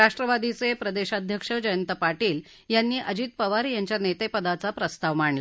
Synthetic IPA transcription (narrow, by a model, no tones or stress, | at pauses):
ɾaʂʈɾəʋad̪it͡sepɾəd̪eɕad̪ʱjəkʂəd͡ʑəjənt̪əpaʈiːl | janːiːʔəd͡ʑiːt̪̚pəʋaɾjaɲt͡ɕjanet̪epəd̪at͡sapɾəst̪aʋmaɳla